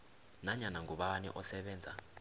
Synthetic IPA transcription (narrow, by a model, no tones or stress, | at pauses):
naɲanaŋɡʱuɓanḭʔɔsɛɓɛːnd͡zʱa̰